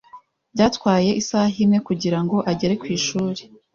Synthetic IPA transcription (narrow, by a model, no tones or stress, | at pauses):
bɟaːtkwaːje̞ʔisaːɦimŋe̞kuɟiɾaŋɡo̞ʔaɟe̞ɾe̞kwiːʃuːɾe